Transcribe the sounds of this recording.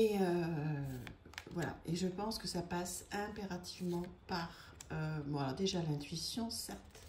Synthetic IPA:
eø | vwala̰eʒəpɑ̃skəsapasɛ̃peʁat̪ivmɑ̃paʁ | øbɔ̃alɔʁd̪eʒalɛ̃t̪ɥisjɔ̃sɛʁt̪

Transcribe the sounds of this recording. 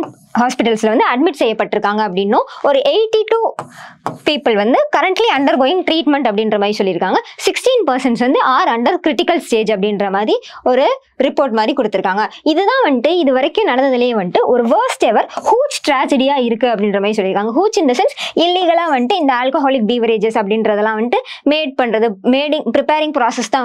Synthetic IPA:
ɦaːspɪʈːɐlsɪlɐʋɐnd̪ɯɐɖ̚mɪʈsɛjːɐpːɐʈːɪɾɯkːaːŋɡɐːp̬ːɐɽɪnːõːɔɾɯʔeɪʈːiʈuː | piːpːɐlʋɐnd̪ɯkɐɾɐɳʈliɐɳɖɐɾɡoːjɪŋʈɾiːʈmɛɳʈɐpːɐɽɪndrɐmaːd̪ɾisɔlːɪɾɯkːaːŋɡɐsɪksʈiːnpɐɾsɐnsʋɐnd̪ɯaːɾɐɳɖɐɾkɾɪʈɪkːɐlsʈeːd͡ʒɐpːɐɽɪnɾɐmaːd̪ɾiɔɾɯ | ɾɪpːoːɾʈmaːd̪ɾikʊɽɯt̪ːɯɾɯkːaːŋɡɐɪðɯðãːʋɐɳʈːɯɪðɯʋɐɾɐkːʊ̃nɐɽɐnɐðɪlɐjeːʋɐɳʈɯʔɔɾɯʋɐːɾsʈɛʋɐɾhuːt͡ʃʈɾaːd͡ʒɐɽijaːɪɾɯkːɯɐpːɐɽɪndrɐmaːɾisɔlːɪɾɯkːaːŋɡɐɦuːt͡ʃɪnd̪ɐsɛnsɪlːɪɣɐɭaːʋɐɳʈːɯɪnd̪ɐaːlkoɦaːlɪk̚biːʋɐɾeːd͡ʒɛsɐpːɐɽɪnɾɐðɛlːãːʋɐɳɪʈɯmeːɖ̚pɐɳɾɐðɯmeːɽɪ̃ŋpɪɾɪpeːɾɪ̃ŋɡpɾaːsɛst̪ãː

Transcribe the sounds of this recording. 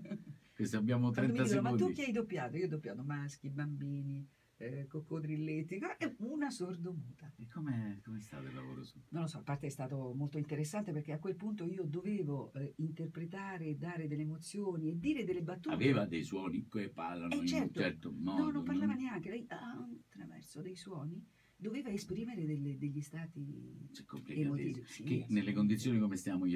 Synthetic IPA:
kesabjaːmot̪ɾɛomiasinomauikːiajd̪opːjaːt̪oiːod̪opːjaːt̪omask̟ibambiːni | kokːod̪ɾilːet̪ːikɔaɛunasord̪omuːt̪aekʰːomekomest̪a̰t̪elːavo̰ːɾo̰nonlːosɔlapart̪eɛst̪aːt̪omolt̪oint̪eɾesːant̪eperk̟eakːwelpunt̪oiːod̪oveːvoint̪erpɾet̪̬aːɾed̪ːaːɾed̪elːeːmot̪sːjoːnied̪ːiːɾed̪elːebat̪ːua̰veːvad̪ejswɔːnikepːarlanot͡ʃɛrt̪t͡ʃɛɾt̪omɔnonːomp̬ːarlaːvaneaŋk̟elɛjʔaunt̪ɾavɛ̰rsod̪ejswɔːni | d̪oveːvaespɾiːmeɾed̪elːed̪eʎːist̪aːt̪it͡ʃɛkːomplikeamot̪iːvisikenelːekond̪it̪sjoːnikomest̪jamoj

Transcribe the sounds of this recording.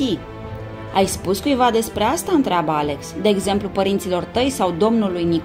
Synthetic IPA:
i | ajspuskujvad̪e̞spɾe̞ast̪aɨnt̪ɾeabəale̞ksd̪e̞ːɡze̞mplupəɾint̪silo̞rt̪əjsawd̪o̞mnulujnik

